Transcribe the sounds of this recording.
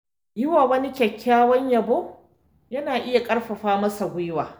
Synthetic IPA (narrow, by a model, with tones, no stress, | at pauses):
jɪ˦waː˨wɐ˦ni˦kʲɛ˨kʲːaː˦wɐ˦ɲjɐ˨boː˦ | jɐ˦naː˨ʔɪ˦ja˨kʼɐ˦ɽɸɐ˨ɸaː˦mɐ˦sa˨ɡʷʊ˦jwaː˨